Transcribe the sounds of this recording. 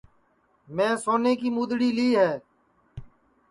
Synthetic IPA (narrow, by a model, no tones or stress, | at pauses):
mɛ̃ːsoːneːkiːmuːd̪ɽiːliːɦɛː